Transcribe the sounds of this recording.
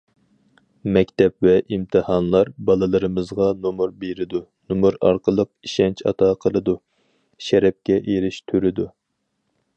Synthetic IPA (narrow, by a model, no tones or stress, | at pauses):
mɛkʲt̪ʰɛp̚vɛʔimt̪ʰɨhɑnlˠɑɾbɑlˠɨlˠəɾɨmɨzʁɑnomuɾbeɾɪd̪unumuɾɑ̰ɾqʰəlˠəq̚iʃɛnt͡ʃʰɑ̰t̪ʰɑqʰəlˠɨd̪u | ʃɛɾɛp̚kʲɛʔeɾɪʃt̪ʰyɾɪd̪u